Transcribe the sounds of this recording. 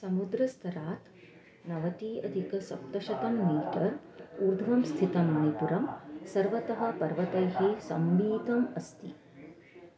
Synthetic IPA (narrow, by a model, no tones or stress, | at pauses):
sɐmud̪ɾɐst̪ʰɐɾaːt̪ | nɐʋɐt̪iːʔɐd̪ʱikɐsɐ̰p̚t̪ɐʃɐt̪ɐmːiːʈɐɾuɾd̪ʱʋɐmst̪ʰit̪ɐmːɐɳipuɾɐmsɐɾʋɐt̪ɐɦɐ̆pɐɾʋɐt̪ɐjɦisɐ̰mʋiːd̪ɐmɐst̪i